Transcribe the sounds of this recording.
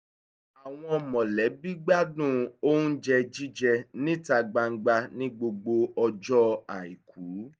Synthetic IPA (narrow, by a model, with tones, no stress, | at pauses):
a˨w̃ɔ̃˧ɔ˧mɔ̃˨lɛ˨˦bi˦ɡ͡ba˦dũ˦o˦nũ˦d͡ʒɛ˧d͡ʒi˦d͡ʒɛ˧nĩ˦ta˧ɡ͡ba˧ŋ̩˦ɡ͡ba˧nĩ˦ɡ͡bo˧ɡ͡bo˧ɔ˧d͡ʒɔ˦a˨i˨kʰu˨˦